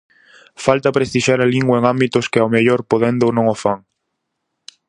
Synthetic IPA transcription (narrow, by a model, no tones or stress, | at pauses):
falt̪ɐpɾest̪iʃaɾaliŋɡwaeŋambit̪ʊskɪawmeʎoɾpoðend̪ownõŋofaŋ